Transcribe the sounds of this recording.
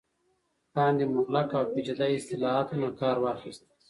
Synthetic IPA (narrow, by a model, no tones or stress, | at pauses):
ʈɑːnd̪imʊɣlakawbid͡ʒad̪ajɪst̪ɪlɑat̪unakɑːɾwɑːxist̪